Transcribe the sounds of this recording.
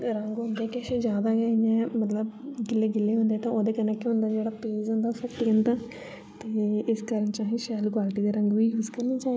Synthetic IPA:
ɾəŋɡɦõnd̪eːkɛːʃeːzjaːd̪aːɡɛijɛ̃ːmət̪ləbɡɪlːeːɡɪlːeːɦʊ̃nd̪eɛːt̪ãːʔoːd̪eːkənɛ̃ːkːiɦʊ̃nd̪aːd͡ʒeːɽaːpeːzɦõnd̪aːsəkt̪iɡənd̪aː | t̪eːɪskəɾənt͡ʃãːɦĩːʃɛːlkwaːlʈiːd̪eːɾəŋɡʋiːɦʊskəɾnĩːt͡ʃaː

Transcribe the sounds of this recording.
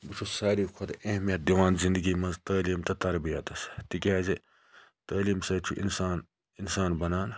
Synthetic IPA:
bɨt͡ʃʰusaːɾiːkʰot̪ɐhmijɐt̪̚d̪iʋaːnzind̪ɨɡiːmɐnzt̪ɐːliːmt̪ɐt̪ɐɾbijɐt̪ɐst̪ikʲaːzi | t̪ɐːliːmsɐːt͡ʃʰuʔḭnsaːn | insaːnbɐnaːn

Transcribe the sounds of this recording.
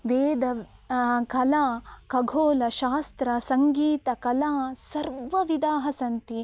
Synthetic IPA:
ʋeːd̪ɐ | kɐlaːkɐɡʱoːlɐʃaːst̪ɾɐsɐŋɡiːt̪ɐkɐlaːsɐɾʋɐʋid̪aːɦɐsɐnt̪i

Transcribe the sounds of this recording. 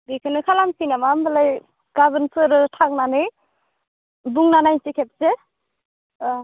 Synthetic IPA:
bikʰɯnɯkʰalamkʰinamambalaj | ɡ̥abənpʰɯɾɯtʰak̚nanɯj | buŋnanajnsikʰep̚se

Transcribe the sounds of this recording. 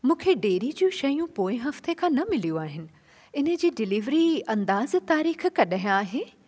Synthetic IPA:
mũːkʰeɖeːɾid͡ʑjũʃɐjũpoːɪ̃ɦɐft̪ekʰãːnɐmɪlijuaːɦɪnɪ̆ | ɪnə̆d͡ʑiːɖɪliːʋɾiɐ̃nd̪aːzt̪aːɾiːxkɐɗaɦj̃aaːɦeː

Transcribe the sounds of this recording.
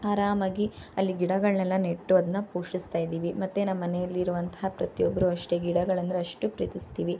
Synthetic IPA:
aːɾaːmɐɡiɐlːiɡiɽɐɡɐɭnɛlːɐneʈːuɐd̪ɐnːɐpuːʂist̪aːjd̪iːʋimɐt̪ːenɐmːɐnɛjɐlːiɾuʋɐnt̪ɐɦapɾɐt̪ijɔbːɐɾuɐʂʈeɡiɽɐɡɐɭɐnd̪ɐɾeɐʂʈupɾḭːt̪ist̪iːʋi

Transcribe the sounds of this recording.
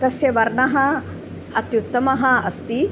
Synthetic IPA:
t̪ɐsjɐʋɐɾɳɐɦɐ | ɐt̪jut̪ːɐmɐɦɐɐst̪i

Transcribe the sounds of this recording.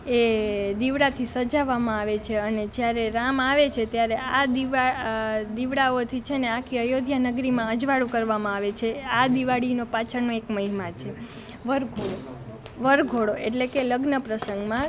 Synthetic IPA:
ed̪iʋɽat̪ʰisəd͡ʒaʋamãaʋet͡ʃʰeəned͡ʒjaɾeɾamaʋet͡ʃʰet̪jaɾead̪iad̪iʋɽaot̪ʰit͡ʃʰeneãkʰiəjod̪ʱjanəɡɾimãəd͡ʒʋaɽũkəɾʋamãaʋet͡ʃʰead̪iʋaɽinopat͡ʃʰəɾnoekməɦimat͡ʃʰe | ʋəɾɡʱoɽo | ʋəɾɡʱoɽoʔeʈlekeləɡnəpɾəsəŋɡmã

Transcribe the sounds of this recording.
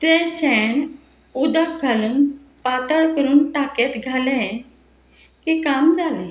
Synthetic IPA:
t̪ɛ̃ɕɛɳ | ud̪akɡʱaluːn | pat̪əɭkəɾuːnʈaket̪ɡʱalɛ̃ | kikamd͡zalɛ̃

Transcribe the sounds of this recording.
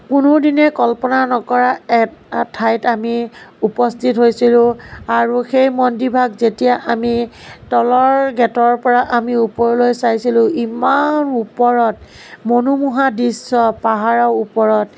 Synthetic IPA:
kunʊdinɛkɔlpɔnanɔkɔɹaɛtʰːajtamiupɔstʰitɦojsilʊ̃aɹuxejmɔndibʱaɡzetijaʔamitɔlɔɹɡɛtɔɹpɔɹaʔamiupɔɹlojsajsilʊ̃imanupɔɹɔt | monumuɦadisɔpaɦaɹawupɔɹɔt

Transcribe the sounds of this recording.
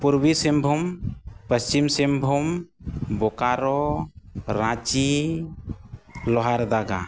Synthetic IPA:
puɾbisɛmbʱumpəst͡ʃimsɛmbʱumbɔkaɾɔ | ɾãt͡ʃi | lɔɦaɾd̪aɡa̰

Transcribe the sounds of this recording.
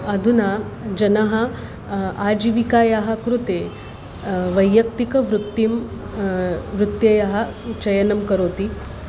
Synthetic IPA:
ɐd̪ʱunaːd͡ʒɐnɐɦɐ̆ | aːd͡ʒiʋikaːjaːɦɐ̆kɾut̪eː | ʋɐjːɐk̚t̪ikɐʋɾut̪ːim | ʋɾut̪jɐjaːɦɐ̆t͡ʃɐjɐnɐmkɐɾoːt̪i

